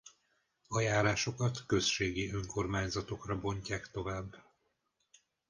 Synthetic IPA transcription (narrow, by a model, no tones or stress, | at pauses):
ɒjaːɾaːʃo̞kɒt̪kø̞sʃeːɡiø̞ŋko̞rmaːɲzɒt̪o̞krɒbo̞ɲcaːkt̪o̞vaːb